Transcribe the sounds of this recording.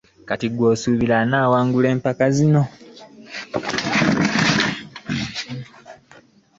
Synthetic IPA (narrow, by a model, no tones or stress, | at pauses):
katiɡwoːsuːβilanaːwaːŋɡule̞ːmpakazino̞